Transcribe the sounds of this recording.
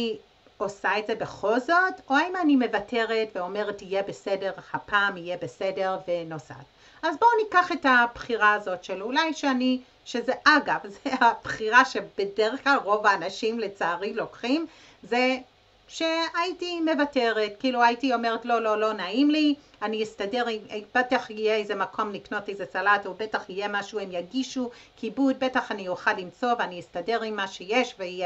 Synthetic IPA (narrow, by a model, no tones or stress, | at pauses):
i | o̞saetze̞beχo̞lzo̞toaimanime̞vatʰe̞ʁe̞tveo̞me̞ʁetijebese̞de̞ʁhapaːmijebese̞de̞ʁvenosa̰t | azbo̞nikaχe̞tab̥χiʁaːzo̞tʃelulajʃeani | ʃe̞zeʔaɡavzeab̥χiʁaʃe̞b̥edeʁeχklalʁo̞vaːnaʃimlet͡saːʁilo̞kχim | ze | ʃe̞aitime̞vate̞ʁetkiiːluaitio̞me̞ʁetlo̞lo̞lo̞naimli | aniistade̞ʁimb̥etaχijeejze̞makʰo̞mnikno̞tejzet͡salatobetaχijemaʃuemjaɡiʃukibud̚be̞taχanijuχalimt͡so̞veanijistade̞ʁimːaʃe̞jeʃveije